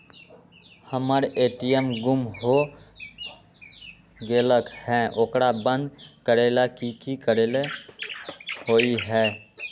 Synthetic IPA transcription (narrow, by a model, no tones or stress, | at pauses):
həməɾeʈijəmɡumɦo | ɡeːləkhɛ̃ʔoːkɾabə̃nd̪kəɾelakikikəɾele | hoiɦɛ